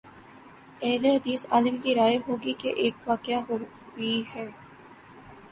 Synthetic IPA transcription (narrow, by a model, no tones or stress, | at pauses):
ɛɦleɦɐd̪iːsaːlɪmkiɾaːjeɦoːɡikeʔeːkʋaːkjaɦoː | ɡiɦɛː